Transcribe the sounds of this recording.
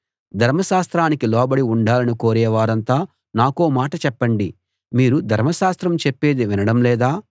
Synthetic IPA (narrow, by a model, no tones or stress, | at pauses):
d̪ʱɐɾmɐʃaːst̪ɾaːnikilɔːbɐɽiuɳɖaːlɐniko̞ːɾɛːʋaːɾɐnt̪aː | naːkoːmaːʈɐt͡ʃɛpːɐɳɖi | miːɾud̪ʱɐɾmɐʃaːst̪ɾɐmt͡ʃepːe̞ːd̪iʋinɐɽɐmlɛːd̪aː